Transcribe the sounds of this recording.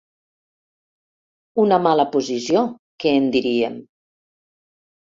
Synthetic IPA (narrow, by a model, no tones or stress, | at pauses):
unəmaləpuzisio | keːnd̪iɾiem